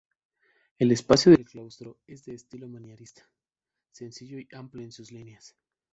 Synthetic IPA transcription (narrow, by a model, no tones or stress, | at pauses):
e̞le̞spasjoðe̞lklawst̪ɾo̞e̞zðe̞ːst̪ilo̞mãnjaɾist̪ḁ | se̞nsiʝo̞iʔampleensuzlinas